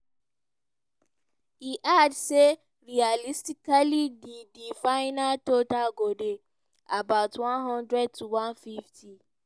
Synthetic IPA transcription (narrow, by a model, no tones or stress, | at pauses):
hiʔadse | ɹialistikalididifaɪnatotaɡode | abaʊtwãnɦɔ̃ndɹɛd̚tuwãnfiftʰi